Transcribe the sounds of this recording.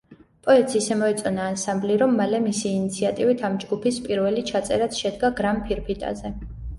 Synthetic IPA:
pʼɔɛt̪sisɛmɔɛt̪sʼɔnaːnsambliɾɔmːalɛmisiːnit̪sʰiat̪ʼivit̪ʰamd͡ʒɡupʰispʼiɾvɛlit͡ʃʰat̪sʼɛ̰ɾat̪ʃɛd̪ɡaɡɾampʰiɾpʰit̪ʼa̰zɛ

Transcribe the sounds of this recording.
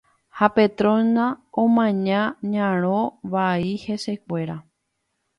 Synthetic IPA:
hape̞t̪ɾõnãõmãɲãɲãɾ̃õʋaihe̞se̞k̚ʷe̞ɾa

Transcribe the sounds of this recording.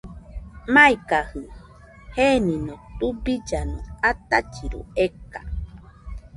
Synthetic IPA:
maikahɨ | heninõt̪ubid͡ʒanõ̰at̪at͡ʃiɾṵeka̰

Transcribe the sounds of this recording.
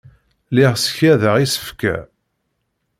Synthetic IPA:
liʁsə̥çæðəʁisə̥fkæ̰

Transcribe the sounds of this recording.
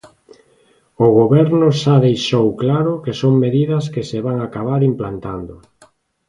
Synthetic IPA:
ʊɣoβɛɾnʊʃaðejʃowklaɾʊkesoŋmeðiðɐskeseβaŋakaβaɾimplant̪and̪ʊ

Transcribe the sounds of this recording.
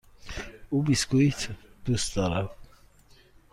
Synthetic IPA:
ubiskuit̪ʰd̪̥ust̪ɔɾa

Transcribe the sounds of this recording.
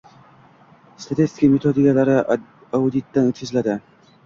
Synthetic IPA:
st̪ʰat̪ʰest̪ɪ̥kʲamet̪ʰod̪ikalaɾɪ | aud̪it̪ːanɵt̪̚kʰʲɪzlad̪ɪ

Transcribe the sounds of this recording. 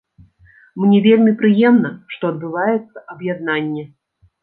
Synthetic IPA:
mnʲɛvʲelʲmʲipɾɨjɛmnɐʂt̪ɔɐd̪̚bɨvajɛt̪sːɐʔɐbjad̪nanʲːɛ

